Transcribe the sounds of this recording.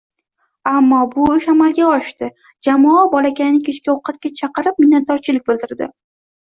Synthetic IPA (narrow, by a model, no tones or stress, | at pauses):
amːɒbʊʊʃamalˠɡʲaɒʃt̪ɪ | d͡ʒamɒɒbɒlakʲanɪkʲʰet͡ʃkʲaoqʰɑt̪̚kʲat͡ʃʰɑqɨɾɪp̚mɪnːat̪̚d̪ɒɾt͡ʃʰɪlɪk̚ʲbɪlˠd̪ɪɾd̪ɪ̰